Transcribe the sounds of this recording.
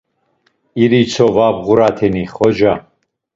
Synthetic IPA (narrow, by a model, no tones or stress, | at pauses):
iɾit͡sʰɔvabʁuɾat̪ʰɛniχɔd͡ʒa